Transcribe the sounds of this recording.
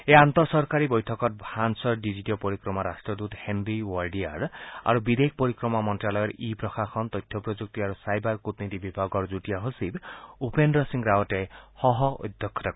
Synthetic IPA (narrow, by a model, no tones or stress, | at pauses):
eant̪ɔsɔɾkaɾibɔjtʰɔkɔt̚bʱansɔɾɖid͡ʒiʈɔpɔɾikɾɔmaɾasʈɾɔd̪ut̪henɾiwɔɾɖiaɾa̰ɾubid̪ʱeik̚poɾikɾɔmamɔntɾalɔjɔɾipɾɔxaxɔnt̪ɔjt̪ʰjɔpɾɔd͡ʒuk̚t̪iaɾusajbaɾkut̪nit̪ibibʱaɡɔɾd͡ʒuʈijaɦosibupendɾɔsiŋɾawɔʈehɔɦɔɔ̰jd̪ʱjɔkʰːɔt̪ɔ